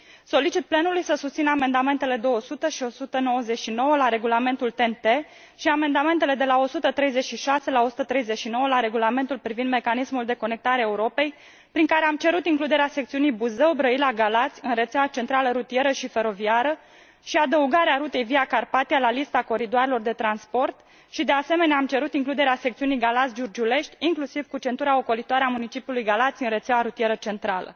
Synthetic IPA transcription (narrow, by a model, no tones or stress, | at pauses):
so̞lit͡ʃit̪̚plenulujsəsust̪sinəame̞nd̪ame̞nt̪e̞le̞d̪o̞wəsut̪əʃio̞sut̪əno̞wəze̞t͡ʃʃino̞wəlaɾe̞ɡulame̞nt̪ult̪e̞nt̪e̞ | ʃiame̞nd̪ame̞nt̪e̞le̞d̪e̞lao̞sut̪ət̪ɾe̞jze̞t͡ʃʃiʃase̞lao̞sut̪ət̪ɾe̞jzet͡ʃʃino̞wəlaɾe̞ɡulame̞nt̪ulpɾivind̪me̞kanismuld̪e̞kone̞k̚t̪aɾeaeuɾo̞pe̞j | pɾiŋkaɾeamt͡ʃe̞ɾut̪iŋklud̪e̞ɾeasekt̪siunijbuzewbɾəilaɡalat̪sʲɨnre̞t̪sʲawat͡ʃe̞nt̪ɾaləɾut̪ije̞ɾəʃife̞ɾo̞viaɾə | ʃiad̪əuɡaɾeaɾut̪e̞jviakarpat̪ialalist̪ako̞ɾid̪oaɾelo̞rd̪e̞t̪ɾanspo̞rt̪ | ʃid̪e̞ase̞me̞neamt͡ʃe̞ɾut̪iŋklud̪e̞ɾeasekt̪siunijɡalat̪sʲd͡ʒurd͡ʒule̞ʃt̪ʲiŋklusivkut͡ʃe̞nt̪uɾao̞ko̞lit̪oaɾeamunit͡ʃipjulujɡalat̪sʲɨnre̞t̪sawaɾut̪ie̞ɾət͡ʃe̞nt̪ɾalə̰